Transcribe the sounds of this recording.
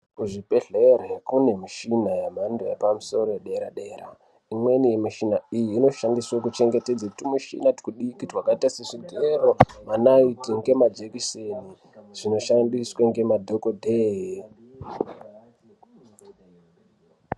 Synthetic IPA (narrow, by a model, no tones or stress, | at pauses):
kuʐipe̞ɮe̞ɾekune̞miʃinajamandojḛpamuso̞ɾojeɗeɾaɗeːɾa̰ | imwe̞nije̞miʃinaijiːno̞ʃandiswakut͡ʃe̞ŋɡe̞ted͡zakutimuʃḭnati̥kuɗikitwakaitaseʐideɾomanaitiŋɡe̞mad͡ʒekiseni | ʐ̥ino̞ʃandiswaŋɡe̞madʱokodʱeːji